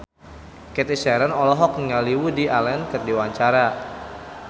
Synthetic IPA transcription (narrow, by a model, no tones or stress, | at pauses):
kɛt̪isɛɾənɔlɔɦɔk̚nəŋaliwudiʔalɛnkɨrdiwaɲt͡ʃaɾa